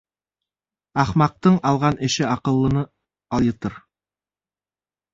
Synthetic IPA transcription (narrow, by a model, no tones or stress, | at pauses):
ɑχmɑq̚t̪ɤɴɑlˠʁɑnʔɪ̆ʃɪɑqɤ̆lˠːɤ̆nɤ | ɑlˠjɤt̪ɤɾ